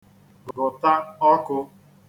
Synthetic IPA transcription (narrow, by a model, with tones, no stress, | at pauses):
ɡɡʊ˨ta˦ɔ˦kʊ˧